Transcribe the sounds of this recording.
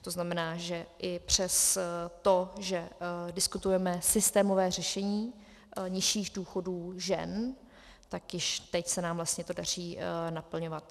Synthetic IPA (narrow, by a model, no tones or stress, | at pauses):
t̪o̞znamɛnaːʒɛʔɪpr̝̥ɛst̪oʒɛdɪskut̪ujɛmɛsɪst̪ɛːmovɛːr̝ɛʃɛɲiː | ɲɪʃiːɣduːxo̞duːʒɛ̰n | t̪akjɪʃt̪ɛcsɛnaːmvlast̪ɲɛt̪o̞dar̝iːnapl̩ɲo̞vat̪̚